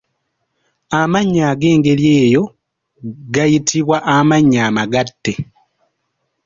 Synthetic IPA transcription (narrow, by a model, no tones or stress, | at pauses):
amaɲːaːɡe̞ːŋɡe̞lje̞ːjo̞ | ɡajitʰiβwaʔamaɲːaːmaɡatːe̞